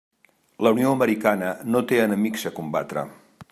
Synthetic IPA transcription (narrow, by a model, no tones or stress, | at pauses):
ləunioəməɾikanənot̪eənəmikzəkumba̰t̪ɾə̰